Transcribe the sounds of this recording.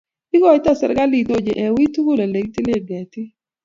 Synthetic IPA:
ɪ˦ɡɔ˦˨ɪ˦t̪a˦˨sɛ̰˨ɾɡa˦li˨t̪o˦˨d͡ʒe˨ʔɛ˨wi˦t̪u˦ɡo˦la˨le˨ɡ̚t̪i˦le˦ɡɛ˨t̪ɪ˦

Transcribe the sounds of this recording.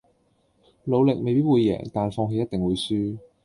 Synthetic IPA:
lo˨˧wlɪ˨k̚me˨jpiː˥t̚wuː˨˧jːɛ̰ː˨˩ŋt̪aː˨nfɔː˧ŋɦe˧jɐ˥t̚t̪ɪ˨ŋwuː˨˧jsyː˥

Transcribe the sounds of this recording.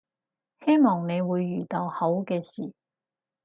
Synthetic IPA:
he˥jmɔː˨˩ŋne˨˧jwuː˨˧jːyː˨˩t̪ɐ˨whɐ˨˥wkɛː˧siː˨˩

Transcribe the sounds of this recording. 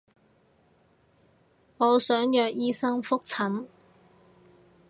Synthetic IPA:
ŋɔː˨˧sœː˨˥ŋjœː˨˧k̚jiː˥sɐ˥ŋfʊ˥k̚t͡sʰɐ˨˥n

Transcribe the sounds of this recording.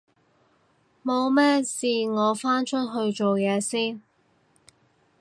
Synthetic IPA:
mo˨˧wmɛː˥siː˨ŋɔː˨˧faː˥nt͡ʃʰɵ˥t̚ɦɵ˧ɥt͡ʃo˨wjɛː˨˧siː˥n

